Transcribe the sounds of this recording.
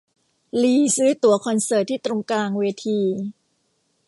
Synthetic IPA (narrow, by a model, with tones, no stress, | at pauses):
liː˧sɯː˦˥t̪u˧˩ɐkʰɔ˧nsɤː˨˩t̪ʰːiː˥˩t̪ɾo˧ŋkaː˧ŋweː˧t̪ʰiː˧